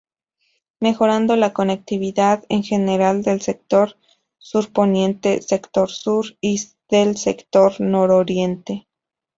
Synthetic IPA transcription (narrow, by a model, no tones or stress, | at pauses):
me̞xo̞ɾand̪o̞lako̞ne̞k̚t̪iβiðaðeŋxe̞ne̞ɾald̪e̞lse̞k̚t̪o̞ɾ | suɾpo̞njẽ̞nt̪e̞se̞kt̪o̞ɾsuɾi | ðe̞lsekt̪o̞ɾno̞ɾoɾje̞nt̪e̞